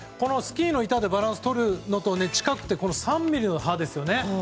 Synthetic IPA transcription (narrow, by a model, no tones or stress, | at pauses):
ko̞no̞sɨ̥kʲiːno̞it̪ad̪e̞baɾãɰ̃sɨ̥t̪o̞ɾɯ̟no̞t̪o̞ne̞t͡ɕi̥kakɯ̟̥t̪ːeko̞no̞sãmbʲiɾʲinoɦad̪e̞sɨjo̞ne̞